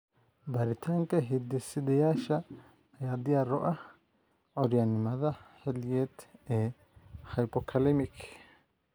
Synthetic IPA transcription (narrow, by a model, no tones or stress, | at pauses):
bɐɾɪt̪ʰɐŋkɐɦɪd̪ːɪsːɪd̪ɛjaːʃɐ | ɐjaːd̪ɪjaːɾɔʔɐ | ʔɔɾɪjɐnːɪmɐd̪ɐhɛljet̪eː | hɐjpɔkʰɐlɛmɪk